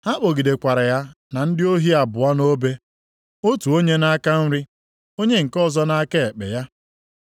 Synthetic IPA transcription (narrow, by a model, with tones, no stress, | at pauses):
a˦k͡po˨ɡi˨de˨kʷa˨ɾa˨ja˦ | na˨n̩˦dɪ˦o˦ɦi˦a˨bʊ˨a˦no˦be˦ | o˦tu˨o˦ɲe˦na˦ka˦n̩˦ɾɪ˦ | o˦ɲe˦ŋ̩˨kɔ˦˨zɔ˦na˦ke˦e˨k͡pe˨ja˦